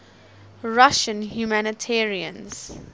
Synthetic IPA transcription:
ɹaʃə̃nhjumænətʰɛɹiə̰̃nz̥

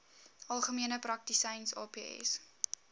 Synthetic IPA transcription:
ʔɐlˠχəmiənəprɐk̚tisɛjnsɑ̰ːpeːɛ̰s

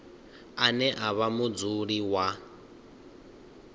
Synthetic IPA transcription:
anɛʔaβamud͡zuɺiwa

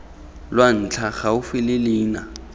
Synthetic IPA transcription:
lwan̩t͡ɬʰaχaʊfɪlɪliːna

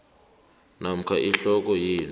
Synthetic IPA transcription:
nam̩kʰaʔiɬɔk̬ɔjeːni

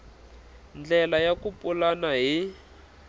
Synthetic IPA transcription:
nd͡ɮɛlajakupʼulanaɦi

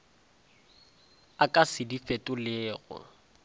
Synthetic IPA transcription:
akʼasɪdifetʼʊlɪːɣʊ̰

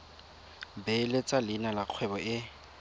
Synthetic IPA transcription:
belet͡sʼalɪnalaq͡χʰwɛbɔʔɪ

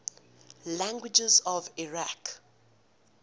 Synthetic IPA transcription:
lãŋɡwɪd͡ʒɛzɔviɹak

